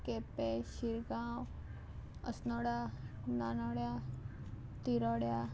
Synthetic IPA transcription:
kepeɕiɾɡãw | ə̰snɔɽananɔɽja | t̪iɾɔɽja

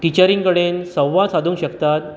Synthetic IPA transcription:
ʈit͡ɕəɾiŋkəɽensəwːãsad̪ʱũːŋkɕəkt̪at̪̚

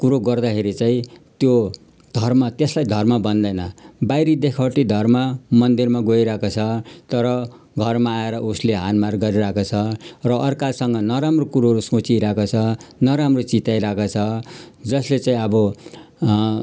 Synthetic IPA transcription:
kuɾoɡʌrd̪akʰeɾit͡saĩt̪jo | d̪ʱʌrmʌt̪eslajd̪ʱʌrmabʌnd̪ʌjnʌbajɾid̪ekʰawʈid̪ʱʌrmamʌnd̪irmaɡojɾakot͡sʰʌt̪ʌɾʌ | ɡʱʌrmaːeɾʌusleɦanmarɡʌɾiɾakot͡sʰʌrʌʔːrkasʌŋɡʌnʌɾamrokuɾoɾusõt͡siɾakot͡sʰʌnʌɾamrot͡sit̪ajɾakot͡sʰʌ | d͡zʌslet͡saĩʌbʌ

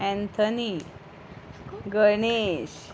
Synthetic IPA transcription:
æ̃nt̪ʰəni | ɡəɾɳeɕ

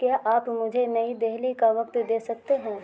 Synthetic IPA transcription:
kjaːʔaːpmʊd͡ʒʱenɐid̪eɦlikaʋɐkt̪d̪eːsɐkt̪eɦɛ̃ː

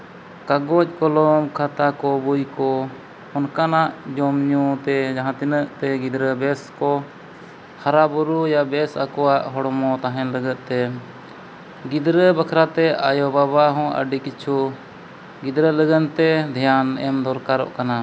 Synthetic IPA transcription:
kaɡɔc̚kɔlɔmkʰat̪akɔbujkɔ | ɔnkanaʔd͡ʒɔmɲut̪ɛd͡ʒaɦãt̪inəʔt̪ɛɡid̪ɾəbɛskɔ | haɾabuɾujabɛsa̰kɔaʔɦɔɽmɔt̪aɦɛ̃nləɡət̪̚t̪ɛ | ɡid̪ɾəbakʰɾat̪ɛajɔbabaɦɔ̃ʔə̰ɖikit͡ʃʰu | ɡid̪ɾələɡənt̪ɛd̪ʱijanɛmd̪ɔɾkaɾɔ̰ʔkana

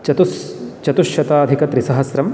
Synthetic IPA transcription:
t͡ʃɐt̪ust͡ʃɐt̪uʃjɐt̪aːd̪ʱikɐt̪ɾisɐɦɐsɾɐm

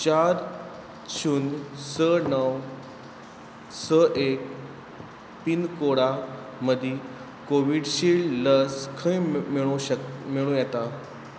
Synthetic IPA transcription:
t͡ɕaɾ | t͡ɕʰunsənəw | səʔek̚ | p̪iːnkoɽa | məd̪ʱi | koʋiɽɕiːɭləskʰəiiɭumiɭũːjɛt̪a

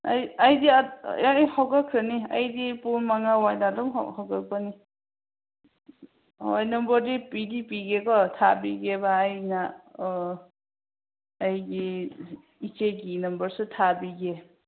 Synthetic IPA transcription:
ajajdḭjhawɡakʰɾɯnia̰jdipunmaŋawajnadɔm̰hawɡak̚bani | wajnʌmbɔɾdipidipiɡekɔtʰabiɡebaːjna | jɡi | it͡ʃeɡinʌmbʌɾsutʰabiɡe

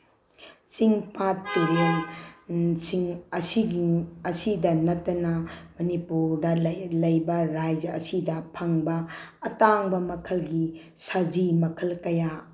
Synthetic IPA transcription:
t͡ʃiŋpatːuɾel | siŋɐsiɡiɐsidɐnɐtːɐnɐmɐnipuɾdɐlɐjbɐɾajd͡ʒɐɐsidɐpʰɐŋbɐːtaŋbɐmɐkʰɐlɡi | sad͡ʒimɐkʰɐlkɐja

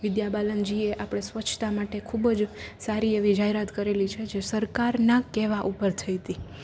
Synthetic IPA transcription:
ʋɪd̪jabalənd͡ʒieʔapɽ̃esʋət͡ʃʰt̪amaʈekʰubd͡ʒsaɾieʋid͡ʒaɦeɾat̪kəɾelit͡ʃʰed͡ʒesəɾkaɾnakeʋaʔupəɾt̪ʰəit̪i

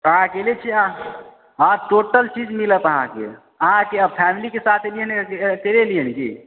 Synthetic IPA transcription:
əɦãkelet͡ʃʰiã | ãʈoʈəlt͡ʃid͡ʒmilət̪əɦã̰kḛ | əɦãkeəpʰɛmilikesat̪ʰliənekeleliənkḛ

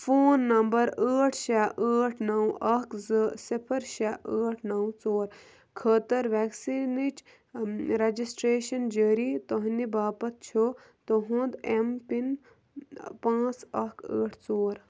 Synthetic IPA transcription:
foːnːɐmbɐɾəːʈʰʃaːʔəːʈʰnɐwɐkzɨsipʰɐɾʃaʔəːʈʰnɐwt͡soːɾ | kʰəːt̪ɐɾʋɛːksiːnit͡ʃ | ɾed͡ʒisʈɾeːʃɐnd͡ʒəːɾiːt̪oɦnibaːpɐt̪̚t͡ʃʰo | t̪oɦũnd̪empin | pãːt͡sɐkʰə̰ːʈʰt͡soːɾ

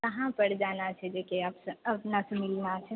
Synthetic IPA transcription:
kɐɦãpɐɽd͡ʒaːnat͡ʃʰɛd̪eːkʰieaːpseɐpnasemɪlnat͡ʃʰɛ

